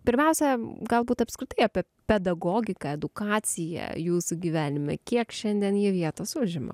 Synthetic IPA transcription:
pʲɪɾʲmʲɛʊsʲɛɡɐlˠbuːt̪ɐpskɾʲɪt̪ɐɪɑːpʲɛ | pʲɛd̪ɐɡoːɡʲɪkɑɛd̪ʊkɑːt͡ssʲɪjɛ̰juːsuɡʲiʋʲæːnʲɪmʲɛ̰kʲiɛkʃʲɛnʲd̪ʲiɛnjiɛʋʲiɛt̪oːsʊʒʲɪmɐ̰

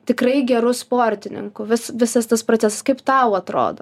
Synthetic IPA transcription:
t̪ʲɪkrɐɪɡʲɛɾʊspoːɾʲt̪ʲɪnʲɪ̰ŋkʊʋʲɪsʋʲɪsɐst̪ɐspɾoːt͡sʲæːsɐskɐɪpt̪ɐʊɐt̪ɾo̰ːd̪o

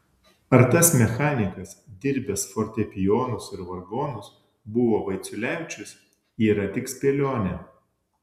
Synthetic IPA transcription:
ɐɾt̪ɐsmʲɛxɑːnʲɪkɐsd̪ʲɪɾʲbʲɛsfɔɾʲt̪ʲɛpʲɪjoːnʊsɪɾʋɐɾɡoːnʊs | bʊʋoːʋɐɪt̪sʲʊlʲæˑʊt͡ʃʲʊs | iːɾɐt̪ʲɪksʲpʲeːlʲoːnʲɛ

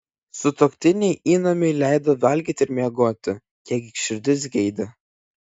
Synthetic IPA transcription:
sʊt̪oːkʲt̪ʲɪnʲɛɪʔiːnɔmʲɛɪlʲæɪd̪oːʋʲɐlʲɡʲiːt̪ʲɪɾmʲiɛɡoːt̪ʲɪ | kʲiɛkʲɪkʃʲɪɾʲd̪ʲɪs̬ɡʲɛɪd̪ʲɐ

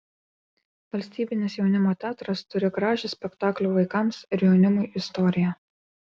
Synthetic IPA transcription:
ʋɐlʲsʲt̪ʲiːbʲɪnʲɪsjɛʊnʲɪmoːt̪ʲæːt̪ɾɐst̪ʊɾʲɪɡɾɑːʒʲɪsʲpʲɛkt̪ɑːklʲuːʋɐɪkɐˑmsɪɾʲjɛʊnʲɪmʊjʔɪst̪ɔɾʲɪjɛ

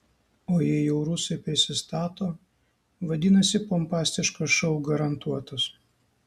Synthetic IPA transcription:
oːjɛɛjɛʊɾuːsɐɪpʲɾʲɪsʲɪst̪ɑːt̪oː | ʋɐd̪ʲɪnɐsʲɪpompɑːsʲt̪ʲɪʃkoʃɔʊɡɐɾɐnt̪uɔt̪ɐs

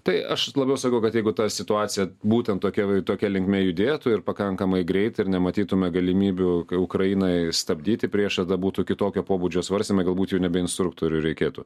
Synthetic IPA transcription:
t̪ɐɪɐʃlˠɐbʲɛʊsɐkɐʊkɐt̪jɛɪɡʊt̪ɐsʲɪt̪ʊɑːt͡s̪ʲɪjɛbuːt̪ʲɛnt̪toːkʲɛt̪oːkʲɛlʲɪŋkmʲeːjʊd̪ʲeːt̪ʊɪɾpɐkɐŋkɐmɐɪɡɾʲɛɪt̪ɐɪɾnʲɛmɐt̪ʲiːt̪ʊmʲɛɡɐlʲɪmʲiːbʲʊʊkɾɐjinɐɪst̪ɐbʲd̪ʲiːt̪ʲɪpʲɾʲiɛʃt̪ɐd̪ɐbuːt̪ʊkʲɪt̪oːkʲoːpoːbud͡ʒʲoːsʋɐrʲsʲt̪ʲɪmɛɡɐlˠbuːt̪jɛʊnʲɛbʲɛɪnst̪ɾʊk̚t̪oːɾʲʊɾʲɛɪkʲeːt̪ṵ

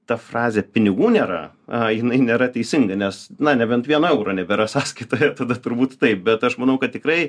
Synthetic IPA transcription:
t̪ɐfrɑːzʲeːpʲɪnʲɪɡuːnʲeːɾɐ̰ | ɐjɪnɐɪnʲeːɾɐt̪ʲɛɪsʲɪŋɡɐnʲɛsnɐnʲɛbʲɛnt̪ʋʲiɛnɐɛʊɾoːnʲɛbʲɛɾɐsɑːsʲkʲiːt̪oːjɛt̪ɐd̪ɐt̪ʊɾbuːt̪t̪ɐɪp̚bʲɛt̪ɐʃmɐnɐʊkɐt̪̚ʲtʲɪkɾɐɪ

